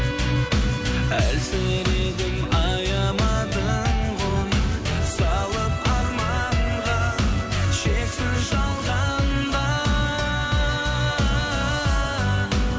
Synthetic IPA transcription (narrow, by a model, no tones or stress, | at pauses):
ælsɪɾed̪ɪmɑjɑmɑd̪əɴqʰonsɑlˠəp̚ɑɾmɑʁɑ | ʃesɪnʒɑlˠʁɑnd̪ɑ